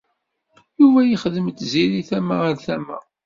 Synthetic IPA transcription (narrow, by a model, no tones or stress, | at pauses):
juvæjiχðəmt̪ːziɾiθæmaəɾθæmæ̰